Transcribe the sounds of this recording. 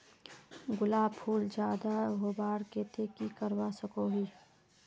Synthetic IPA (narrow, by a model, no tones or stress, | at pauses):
ɡʊlaːbpʰuːld͡ʒjaːd̪aɦobaːɾket̪ekikəɾwasəkoɦiː